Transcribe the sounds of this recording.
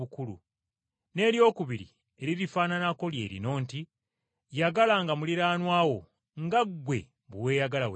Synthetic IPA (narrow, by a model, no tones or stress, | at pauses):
ukulṵ | ne̞ːɾjo̞ːkuβiɾḭ | e̞ɾiɾifaːnanako̞lje̞ːɾḭno̞ːnti | jaɡalaŋɡamuliɾaːnwaːwo̞ | ŋɡaɡwe̞̰ | βuwe̞ːjaɡalaw